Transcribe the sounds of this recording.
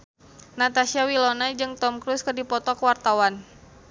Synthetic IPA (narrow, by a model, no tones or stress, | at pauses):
nat̪asiawilɔnad͡ʒɨŋt̪ɔmkɾuskədipɔt̪ɔkəwart̪awan